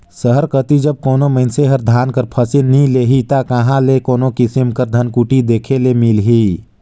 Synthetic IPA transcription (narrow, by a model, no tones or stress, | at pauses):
səɦəɾkət̪id͡ʒəb̚koːnoməɪnseɦəɾd̪ʱaːnkəɾpʰəsɪnːĩleːɦit̪akəɦãlekoːnokɪsɪmkəɾd̪ʱənkuːʈid̪eːkʰelemilɦiː